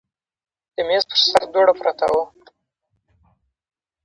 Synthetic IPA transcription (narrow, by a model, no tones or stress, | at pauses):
d̪̥əmezpə̥ɾsaɾd̪oɽapɾat̪a̰wu